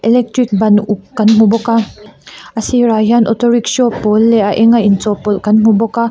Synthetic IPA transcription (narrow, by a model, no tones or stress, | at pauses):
ʔɛlɛk̚tɾik̚bɐnʔukːɐnmubɔka | ʔɐsiɾajanʔɔtɔɾiksɔpɔlːɛʔaʔɛŋaint͡sɔpɔlkɐnmubɔka